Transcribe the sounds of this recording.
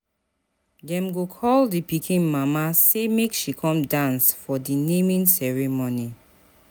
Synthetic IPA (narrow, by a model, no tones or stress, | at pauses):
dɛ̃mɡokʰɔldipikʰĩnmamasemekʃikʰɔ̃mdãnsfɔdinemĩnsɛɹimoni